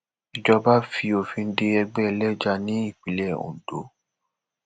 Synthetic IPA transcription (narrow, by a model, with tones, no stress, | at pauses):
i˨d͡ʒɔ˧ba˦fi˧o˨fĩ˧n̩˦de˧ɛ˧ɡ͡bɛ˦˧lɛ˦d͡ʒa˧nĩ˨˦i˦˨k͡pi˨˦lɛ˦˨ṵ̃˨do̰˨˦